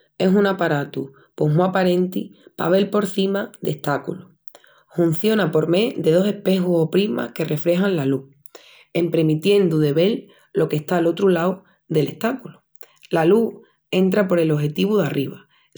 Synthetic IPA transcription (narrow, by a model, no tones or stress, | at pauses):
e̞sunapaɾat̪u | po̞muapaɾe̞nt̪ipa̰β̞e̞lpo̞ɾθimaðe̞ht̪akṵlu | hun̟θjo̞napo̞ɾme̞ðe̞ð̞o̞se̞hpe̞xusopɾima̰hke̞re̞fɾe̞ɦanlalu | e̞mpɾe̞mit̪je̞nd̪uðe̞βe̞l | lo̞ke̞ht̪alo̞t̪ɾulaw | ðe̞le̞ht̪akulu | lalu | e̞nt̪ɾapo̞ɾe̞lo̞ɦe̞t̪iβuðariβa